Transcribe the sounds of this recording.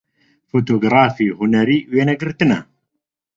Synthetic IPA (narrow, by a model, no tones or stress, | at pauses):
fot̪̬oɡɾˤɑːfihʊnæɾiwenæɡəɾt̪na